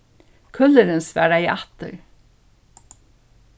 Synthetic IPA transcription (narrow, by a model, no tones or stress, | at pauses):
kʰœləɾənsʋæ̰ːɖæɪʔɑt̪ə̰ɾ